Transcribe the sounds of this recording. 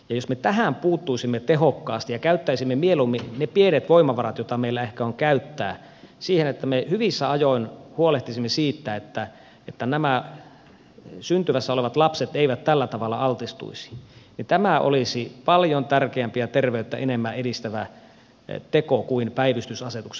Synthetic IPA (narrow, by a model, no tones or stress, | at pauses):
jɑjosmet̪æɦæmpuːt̪ːuisimːet̪eɦokːɑːst̪ijɑkæyt̪ːæisimːemielumːinepienet̪ʋoimɑʋɑrɑt̪jot̪ɑmeilːæehkæoŋkæyt̪ːæ̰ː | siːhenet̪ːæmehyʋisːæɑjoinhuoleht̪isimːesiːt̪ːæet̪ːæ | et̪ːænæmæ | synt̪yʋæsːæoleʋɑt̪lɑpset̪eiʋæt̪t̪ːælːæt̪ɑʋɑlːɑ̰ɑlt̪ist̪ṵisi̥nit̪æmæʔo̰lisipɑljont̪ærkeæmpiæt̪erʋeyt̪ːæ̰ʔenemːæʔedist̪æʋæ | t̪ekokuinpæiʋist̪ysɑset̪ukse